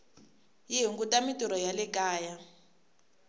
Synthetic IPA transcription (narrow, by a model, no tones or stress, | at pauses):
jiɦiŋɡutamituɾɔjalɛkaːja